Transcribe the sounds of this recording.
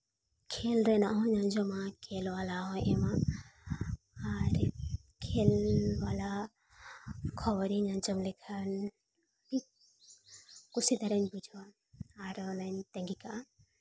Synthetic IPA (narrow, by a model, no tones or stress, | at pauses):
kʰelɾɛnaʔɦɔɲand͡ʒɔmakʰelwalaɦɔ̃jʔɛma | ɾkʰɛlwala | kʰɔbɔɾiɲand͡ʒɔmlɛkʰan | bi | kusid̪aɾanbud͡ʒʱwaː | ɾnant̪ɛŋɡikaʔa